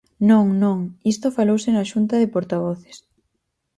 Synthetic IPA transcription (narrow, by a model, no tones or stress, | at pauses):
nõŋnõŋist̪ofalowsɪnaʃunt̪ɐðepoɾt̪aβ̞ɔθe̥s